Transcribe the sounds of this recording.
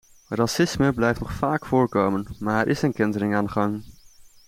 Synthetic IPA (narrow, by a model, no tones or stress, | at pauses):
rɑsɪsməblɛjftnɔχfaːkfʊːɹkowmənmaːɾɛɾʔɪsənkɪndəɾɪŋaːnəχɑŋ